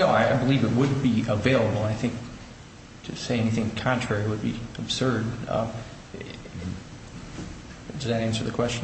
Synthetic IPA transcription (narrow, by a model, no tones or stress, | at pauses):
noʊaɪaɪbəlivɨt̚wəd̚biəveɪlˠəbl̩ˠaɪθɪ̃ŋk̚ | tʰɨseɪɛñiθɪ̃ŋkʰɑ̃ntʰɹ̥ɛɹiwəd̚biɨb̥sɜ˞d̚ | dʌzɨɾæ̃nsə˞ðɨkʰw̥ɛst͡ʃn